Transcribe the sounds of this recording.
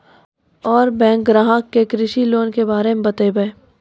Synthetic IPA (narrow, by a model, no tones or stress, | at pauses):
ɔːɾbɛ̃ːŋk̚ɡɾaːɦəkːekɾɪʃiloːnkebaːɾemẽbɐt̪ebəe